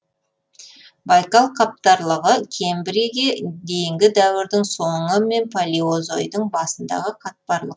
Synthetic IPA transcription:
bɑjkɑlˠqʰɑp̚t̪ɑɾlˠəʁəkʲʰe̞mbɪɾeɡʲed̪e̞jɪŋɡʲɪd̪æwɪɾd̪ɪŋso̞ɴəme̞npʰalʲiozojd̪əɴbɑsənd̪ɑ̰ʁəqʰɑt̪̚pɑɾlˠəq

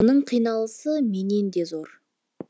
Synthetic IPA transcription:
nəɴqʰijnɑlˠəsəme̞ne̞nd̪e̞zo̞ɾ

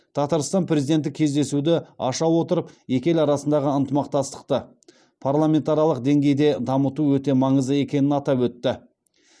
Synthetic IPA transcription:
t̪ʰɑt̪ɑɾst̪ɑnpʰɾezijd̪e̞nt̪̬ːɪkʲʰe̞zd̪e̞sud̪ɪɑʃɑwo̞t̪əɾəpje̞kʲe̞lɑɾɑsənd̪ɑʁəənt̪əmɑq̚t̪ɑst̪ə̥qt̪ə | pʰarlˠamʲe̞nt̪aɾijɑlˠəqd̪e̞ŋɡʲe̞jd̪e̞d̪ɑmət̪uwɵt̪e̞mɑɴəzəe̞kʲe̞nɪnɑt̪ɑpwɵt̪ːɪ

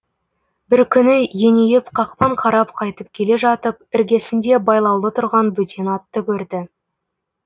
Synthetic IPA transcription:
bɪɾkʲʰʏnɪjenejɪpqʰɑqpɑɴqʰɑɾɑpqʰɑjt̪əp̚kʲʰe̞le̞ʒɑt̪əp̚ɪɾɡʲe̞sɪnd̪e̞bɑjlˠɑwlˠət̪ʰʊɾʁɑnbɵt̪e̞nɑt̪ːəkʲʰɵɾd̪ɪ

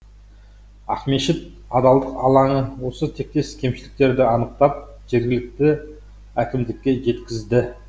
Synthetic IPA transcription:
ɑ̰χme̞ʃɪt̪̚ | ɑd̪ɑlˠd̪əqɑlˠɑɴəwo̞sət̪ʰe̞k̚t̪e̞skʲʰe̞mʃɪlɪk̚t̪e̞ɾd̪ɪɑnəqt̪ɑp̚ | ʒ̥eɾɡʲɪlɪk̚t̪ɪ | ækʲɪmd̪ɪkʲːe̞ʒe̞t̪kʲɪzd̪ɪ

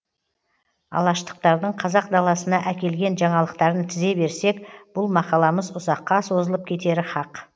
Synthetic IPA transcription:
ɑ̰lˠɑʃt̪ə̥q̚t̪ɑɾd̪əɴqʰɑzɑq̚d̪ɑlˠɑsənɑʔækʲe̞lɡʲe̞nʒɑɴɑlˠəqt̪ɑɾənt̪ʰɪze̞be̞ɾse̞kb̥ʊlˠmɑqɑlˠɑməzʊzɑqːɑso̞zəlˠəp̚kʲʰe̞t̪e̞ɾɪχɑq

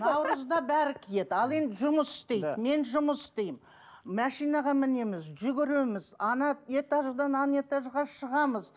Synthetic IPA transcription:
nɑɑwɾəzd̪ɑbæɾɪkʲʰije̞d̪ɑlˠe̞nd̪ɪʒʊməsɪ̥st̪e̞j̪me̞nʒʊməsɪ̥st̪e̞jɪm | mæʃijnɑʁɑmɪne̞mɪzʒʏɡʲɪɾe̞mɪzɑnɑe̞t̪ɑʒd̪ɑnɑne̞t̪ɑʒʁɑʃəʁɑməz

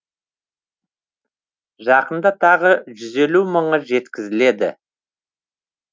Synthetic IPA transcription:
ʒɑqənd̪ɑt̪ʰɑʁəʒʏze̞luməɴəʒe̞t̪kʲɪzɪle̞d̪ɪ̰

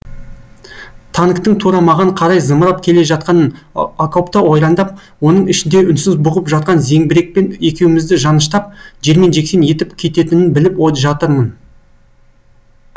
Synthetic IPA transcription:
t̪ʰɑnəkt̪əɴt̪ʰuɾɑmɑʁɑɴqʰɑɾɑjzəməɾɑp̚kʲʰe̞le̞ʒɑt̪̚qɑn | akʰopt̪ɑwo̞jɾɑnd̪ɑp̚ | wo̞nəɴɪʃɪnd̪e̞ʔʏnsɪzbʊʁəpʒɑt̪̚qɑnze̞ŋbɪɾe̞k̚pe̞ne̞kʲe̞wɪmɪzd̪ɪʒɑnəʃt̪ɑp̚ʒe̞ɾme̞nʒe̞kse̞nje̞t̪ɪpkʲʰe̞t̪e̞t̪ɪnɪnbɪlɪpoʒɑt̪əɾmən

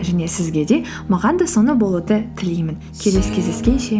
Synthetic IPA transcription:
ʒæne̞sɪzɡʲe̞d̪e̞ | mɑʁɑnd̪ɑso̞nəbo̞lˠəd̪ət̪ʰɪlijmɪn | kʲʰe̞le̞skʲʰe̞zd̪eskʲe̞nʃe̞

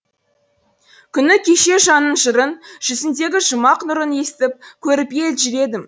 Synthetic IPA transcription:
kʲʰʏnɪkʲʰe̞ʃe̞ʒɑnənʒəɾənʒ̥ʏsɪnd̪e̞ɡʲɪʒəmɑqnʊɾəne̞sɪ̥t̪ɪp̚kʲʰɵɾɪpje̞lʒʏɾe̞d̪ɪm

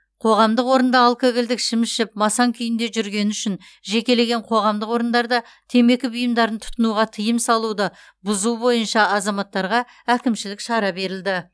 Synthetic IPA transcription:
qʰo̞ʁɑmd̪əqwo̞ɾənd̪ɑɑlˠkeɡʲɪld̪ɪkʃɪmɪsʃɪp̚mɑsɑŋkʲʰʏjɪnd̪e̞ʒʏɾɡʲe̞nʏʃɪn | ʒe̞kʲe̞le̞ɡʲe̞ɴqʰo̞ʁɑmd̪əqwo̞ɾənd̪ɑɾd̪ɑ | t̪ʰe̞me̞kʲɪbʊjəmd̪ɑɾənt̪ʰʊ̥t̪ənuʁɑt̪ʰəjəmsɑlˠud̪ɑ | bʊzubo̞jənʃɑɑzɑmɑt̪ːɑɾʁɑ | ækʲɪmʃɪlɪkʃɑɾɑbe̞ɾɪld̪ɪ

